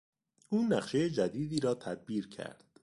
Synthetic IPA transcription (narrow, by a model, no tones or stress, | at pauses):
ʔuːnæχʃejed͡ʒæd̪iːd̪iːɾɒːt̪ʰæd̪̚biːɾcʰæ̰ɾd̪̥